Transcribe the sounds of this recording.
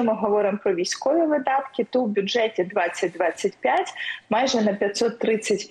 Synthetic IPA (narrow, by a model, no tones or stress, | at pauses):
ɔmɪɦɔʋɔɾɪmpɾɔʋʲijsʲkɔʋʲiʋɪd̪ɑt̪kʲɪt̪ɔwbʲʊdʐɛtʲid̪ʋɑt͡sʲːɐt̚ʲd̪ʋɑt͡sʲːɐtʲpʲjatʲmɑjʒɛnɐpʲjɐt̪ʲsɔt̪ːɾɪt͡sʲːɐtʲ